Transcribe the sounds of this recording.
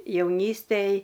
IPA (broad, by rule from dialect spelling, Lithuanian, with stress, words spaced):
jɛʊˈnʲiːsʲtʲeːj